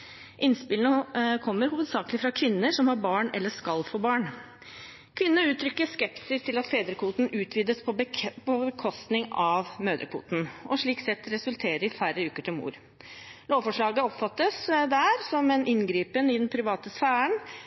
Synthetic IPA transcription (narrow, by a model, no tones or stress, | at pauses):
ʔɪnspɪlənəkʰɔmːəɾhuːʋəd̪sɑːkəlɪfɾɑkʰʋɪnːəʂɔmhɑɾbɑːɳɛ̰lːəʂkɑlːfoːbɑːɳ | kʰʋɪnːəʉːt̪ʰɾʏkːəʂkɛpssɪst̪ʰɪlɑt̪feːd̪ɾəkʰuːt̪n̩ʉːt̪ʰʋiːd̪əspʰɔpʰɔbəkʰɔst̪nɪŋɑʋmøːd̪ə̰kʰʋṵːt̪n̩ʔɔʂɭiːksɛt̪ːɾɛsʉlt̪ʰeːɾəɾɪfæɾəʉːkəʈʰɪlmṵːɾ | loːʋfɔʂɭɑːɡəɔpfɑt̪ːəsd̪æɾsɔmɛnʔɪnɡɾiːpənɪd̪ɛnpʰɾɪʋɑːt̪əsfæːəɳ